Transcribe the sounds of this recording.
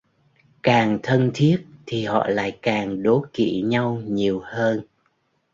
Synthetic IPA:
kaː˨˩ŋt̪ʰə˧nt̪ʰi˦˥ət̚t̪ʰi˨˩hɔ̰˧˨la̰ː˧˨jkaː˨˩ŋɗo˨˦kḭ˧˨ɲa˧wɲi˨˩əwhəː˧n

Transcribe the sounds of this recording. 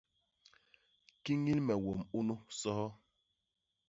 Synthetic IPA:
ki˦ŋi˦lmɛ˨wo˨mu˦nu˦sɔ˦hɔ˦

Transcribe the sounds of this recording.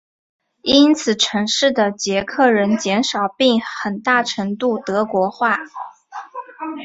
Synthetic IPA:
i˥nt͡sʰɹ̩˨˩ʈ͡ʂʰɤ˧˥ŋʂɻ̩˥˩d̪ə˩t͡ɕjɛ˧˥kʰɤ˥˩ɻə˧˥nt͡ɕjɛ˧˥nʂɑ˨˩ʊpi˥˩ŋxə˨˩nt̪a˥˩ʈ͡ʂʰɤ˧˥ŋt̪u˥˩t̪ɤ˧˥kwɔ˧˥xwa˥˩

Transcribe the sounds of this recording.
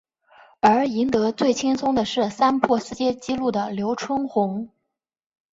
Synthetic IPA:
ə˞˧˥i˧˥nt̪ɤ˧˥t͡swe˥˩ɪt͡ɕʰi˥ŋsʰʊ˥ŋd̪ə˨ʂɻ̩˥˩sa˥npʰɔ˥˩sɹ̩˥˧t͡ɕjɛ˥t͡ɕi˥lu˥˩d̪ə˩ljo˧˥ʊʈ͡ʂʰwʊ˥ŋxʊ˧˥ŋ

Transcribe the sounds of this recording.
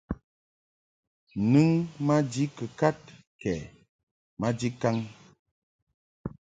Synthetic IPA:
nɨ˦ŋma˦d͡ʒi˦kə˨ka˦t̚ | kɛ˨ | ma˦d͡ʒi˦ka˦ŋ

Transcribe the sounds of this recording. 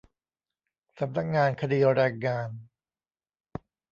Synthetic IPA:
sa˨˩˦mna˦˥k̚ŋaː˧nkʰa˧diː˧ɾaː˧jŋaː˧n

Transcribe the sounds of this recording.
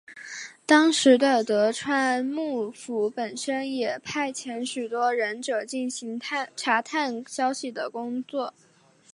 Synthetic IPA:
t̪ɑ˥ŋʂɻ̩˧˥d̪ə˧t̪ɤ˧˥ʈ͡ʂʰwa˥nmu˥˩fu˧˥pə˨˩nʂə˥njɛ˨˩pʰa˥˩ɪt͡ɕʰjɛ˧˥nɕy˨˩t̪wɔ˥ɻə˧˥nʈ͡ʂɤ˨˩t͡ɕi˥˩nɕi˧˥ŋ˥ʈ͡ʂʰa˧˥t̪ʰa˥˩nɕjɑ˥ʊɕi˨˩d̪ə˩kʊ˥ŋt͡swɔ˥˩

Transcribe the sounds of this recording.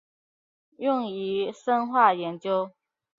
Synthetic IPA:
jʊ˥˨˩ŋi˨˥ʂə˥nxwa˥˩jɛ˧˦nt͡ɕjo˥ʊ

